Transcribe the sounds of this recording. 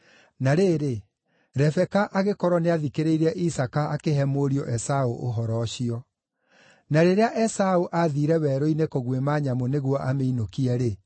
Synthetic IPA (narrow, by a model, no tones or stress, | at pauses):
naɾeːɾe | ɾɛfɛkaʔaɣekɔɾwɔneaðikeɾeiɾɛʔisakaːkeɦɛmoɾiɔʔɛsaoʔoɦɔɾɔɕiɔ | naɾeɾeaʔɛsaoʔaðiːɾɛwɛɾoinekoɣwemaɲamoneɣwɔʔameinokiɛɾe